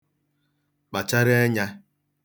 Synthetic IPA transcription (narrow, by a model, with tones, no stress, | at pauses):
k͡pa˨t͡ʃa˦ɾa˦ɲa˦